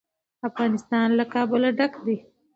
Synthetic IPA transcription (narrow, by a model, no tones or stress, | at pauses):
afɣɑːnɪst̪ɑːnlakɑːbɪlaɖakd̪i